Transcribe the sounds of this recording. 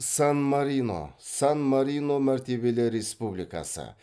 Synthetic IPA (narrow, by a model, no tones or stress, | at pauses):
sɐnmɐɾʲiːno̰sɐnmɐɾʲiːnomɐɾʲt̪ʲiːbʲɪlʲeɾʲespubʲlʲɪkɐ̰sɐ̰